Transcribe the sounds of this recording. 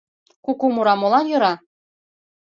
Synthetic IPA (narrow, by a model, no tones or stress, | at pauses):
kukumuɾɑmolˠɑnjɤ̆ɾɑ